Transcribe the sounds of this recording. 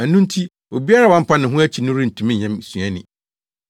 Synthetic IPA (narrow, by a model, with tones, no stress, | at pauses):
æ˨nũ˦n˦tʰi˦ | o˨bi˦a˦ɾa˦˨wɔ̃˦m̩˦pʰa˦nɪ̃˨ɦʊ̃˦æ˦t͡ɕʰi˨nʊ̃˦ɾi˦n̩˨tʰũ˨mɪ̃˦ɲɛ̃˦msũ˨ɛ̃˦nɪ̰̃˨